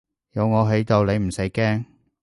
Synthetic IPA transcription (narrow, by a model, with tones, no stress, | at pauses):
jɐ˨˧wŋɔː˨˧ɦe˨˥jt̪o˨˧wle˨˧m̩˨˩se˨˥jkɛː˥ŋ